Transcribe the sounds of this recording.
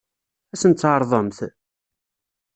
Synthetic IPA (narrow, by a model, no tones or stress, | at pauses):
æsənt̪ːʕəɾˤðˤəmθ